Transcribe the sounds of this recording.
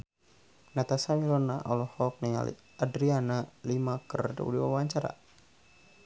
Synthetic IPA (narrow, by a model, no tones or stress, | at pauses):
nat̪asamilɔnaʔɔlɔhɔk̚nia̰lḭ | adɾianalimakərda̰ṵdiwawaɲt͡ʃaɾa̰